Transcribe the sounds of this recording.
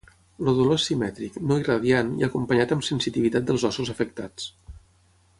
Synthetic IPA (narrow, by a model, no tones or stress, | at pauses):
loðulosimɛt̪ɾiknoirəðianḭəkumpəɲat̪əmsənsit̪iβit̪at̪̚d̪əlˠzɔsuzəfək̚t̪at͡s